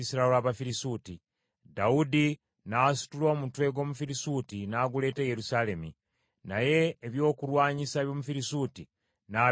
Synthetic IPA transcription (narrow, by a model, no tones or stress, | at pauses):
isiɾaelaβafiɾisuːti | daudi | nasu̥tulo̞ːmutwe̞ɡo̞ːmufiɾisutinaɡule̞ːteje̞ɾusale̞mi | naje̞ːβjo̞ːkulwaːɲisaβjo̞ːmufiɾisuːti | na